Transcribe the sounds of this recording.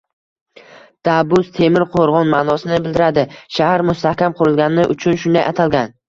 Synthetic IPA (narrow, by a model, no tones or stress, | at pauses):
d̪̥abʊzt̪ʰe̞mɪɾqʰoɾʁɒnmanɒsɪnɪbɪld̪ɪɾad̪ɪʃahaɾmʊst̪ahkʲamqʰʊɾɪlˠɡʲanɪnɪʔʊt͡ʃʰʊnʃʊnd̪ajʔat̪ʰalɡʲan